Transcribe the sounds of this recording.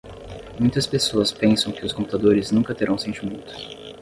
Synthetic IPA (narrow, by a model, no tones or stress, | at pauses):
mũj̃t̪ɐspesoɐspẽsɐ̃w̃kɪʊskõmpu̥t̪ad̪oɾɪznũŋkɐt̪eɾʔɐ̃w̃sẽnt͡ʃɪmũnt̪ʊ̥